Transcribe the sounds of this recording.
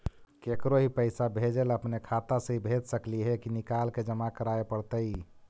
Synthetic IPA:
kekɾoɦipəɪsabʱed͡ʒeləpnekʰat̪asəɦibʱet̪səkliɦɛkinikalked͡ʒəmakəɾaepəɽt̪əɪ

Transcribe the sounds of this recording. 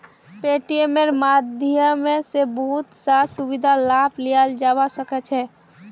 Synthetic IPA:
peʈiemeɾmad̪ʱjəmesebəɦut̪sasubid̪ʱalaplijald͡ʒabasəkɛt͡ʃʰɛ

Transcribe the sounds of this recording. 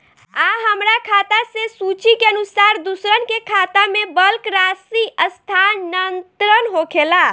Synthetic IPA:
aɦəmɾakʰat̪asesut͡ʃikeənusaɾd̪usɾənkekʰat̪amebəlkɾasiəst̪ʰannənt̪ɾənɦokʰela

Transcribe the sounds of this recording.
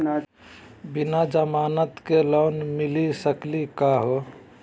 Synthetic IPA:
na | bɪnad͡ʒəmaːnət̪keloːnmɪlisəklikaɦo

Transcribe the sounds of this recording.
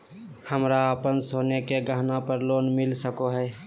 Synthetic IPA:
həmɾaəpənsoːnekeɡəɦnapəɾloːnmɪlsəkoɦɛː

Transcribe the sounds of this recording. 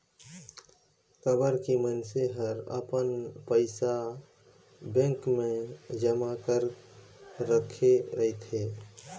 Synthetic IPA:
kəbəɾkimənseɦəɾə̰pənpəɪsa | bẽŋkmẽd͡ʒəmakəɾ | ɾəkʰeɾəɦit̪ɦe

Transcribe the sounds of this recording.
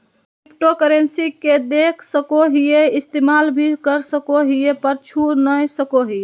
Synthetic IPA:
kikʈokəɾensiked̪ekʰsəkoɦijeist̪emalbʱikəɾsəkoɦijepəɾt͡ʃʰunəjsəkoɦie

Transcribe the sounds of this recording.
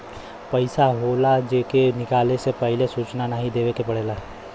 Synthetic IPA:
pəɪsaɦoːlad͡ʒeːkenɪkaːlesepɛɦɪlesuːt͡ʃnanaɦĩd̪eːʋekepɐɽeːlaː

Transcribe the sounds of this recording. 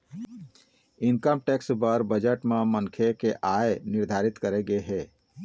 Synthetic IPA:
inkəmʈeksbəɾbəd͡ʒəʈmemənkʰekeʔaeniɾd̪ʱaɾit̪kəɾeɡeɦɛ

